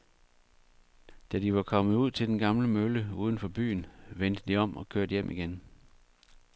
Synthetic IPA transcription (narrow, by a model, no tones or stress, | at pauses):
d̥æd̥iʋɑ̈kʰɒ̽mð̩ˠuð̞̰ˠt͡sʰe̝ld̥enɡ̥ɑ̈mləmøləuːð̞ˠn̩fɒ̽b̥y̰ːnʋend̥əd̥iɒ̽m̰ɒ̽kʰøɐd̥jem̰ʔiɡ̥en